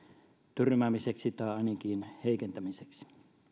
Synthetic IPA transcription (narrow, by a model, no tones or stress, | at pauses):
t̪yrmæmiseksit̪ɑˑeɑˑnikiːnheˑikent̪æmiseksi̥